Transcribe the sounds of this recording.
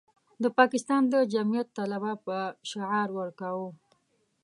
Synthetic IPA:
d̪əpɑkɪst̪ɑnd̪əd͡ʒamijat̪ːalabapəʃɪʕɑɾwəɾkawu

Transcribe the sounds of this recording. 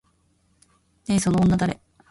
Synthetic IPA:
eso̞noːnːad̪aɾe

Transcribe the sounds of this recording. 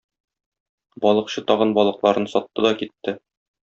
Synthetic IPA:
bɒlˠɤ̆qɕɤt̪ɒʁɤnbɒlˠɤ̆qlˠɑɾɤnsɒt̪ːɤd̪ɒkit̪ːɘ

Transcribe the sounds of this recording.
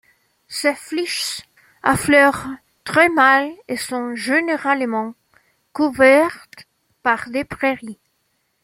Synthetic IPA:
sefliʃ | aflœʁ | t̪χɛmalesɔ̃ʒeneʁalmɑ̃ | kuvɛʁt̪ | paʁd̪epʁeʁi

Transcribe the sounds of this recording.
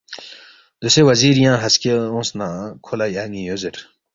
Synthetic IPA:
d̪̥usewɐziːɾjãːɦɐskeõːsnãkʰolajaːŋijozeɾ

